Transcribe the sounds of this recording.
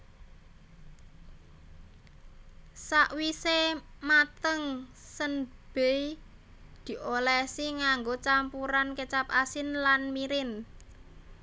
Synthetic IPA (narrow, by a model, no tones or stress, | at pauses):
saʔwisemat̪əŋsənb̥ei | d̪̥i̤ʔolɛsiŋaŋɡot͡ʃampuɾankət͡ʃap̚asɪnlanmiɾɪn